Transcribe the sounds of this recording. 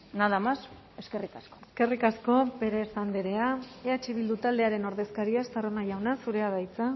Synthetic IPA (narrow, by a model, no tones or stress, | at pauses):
naðamas | eskerikaskoeske̞rikasko̞be̞ɾe̞sand̪eɾe̞aeat͡ʃiβ̞ild̪ut̪ald̪e̞aɾe̞no̞ɾðe̞skaɾiast̪aronaʝawnasuɾe̞aβajt͡sa